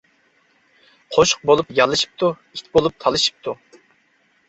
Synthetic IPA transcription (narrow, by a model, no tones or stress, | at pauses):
qʰoʃʊ̥q̚bolˠupjɑlˠɨʃi̥p̚t̪u | it̪ʲbolˠup̚t̪ʰɑlˠɨʃi̥p̚t̪ʰu